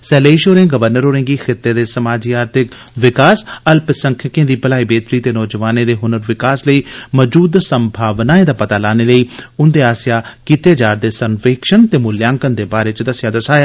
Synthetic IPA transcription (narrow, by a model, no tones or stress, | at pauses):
sɛːleːiʃoːɾẽːɡəʋəɾnəɾɦoːɾẽːɡiːkʰɪt̪ːeːd̪eːsəmaːd͡ʒiːaːɾt̪ʰɪk | ʋɪkaːsəlpɪsə̃ŋkʰəkẽːd̪iːpəlaːiːbeːt̪ɾiːt̪eːnɔːd͡ʒəʋaːnẽːd̪eːɦʊnəɾʋɪkaːsləiːməd͡ʒuːd̪səmbʱaːʋnaːẽːd̪aːpət̪aːlaːneːləiːʊnd̪eːaːsɪjaːkiːt̪eːd͡ʒaːɾd̪eːsənʋɪkʃənt̪eːmʊljãːŋkənd̪eːbaːɾeːt͡ʃd̪əsjaːd̪əsaːjeː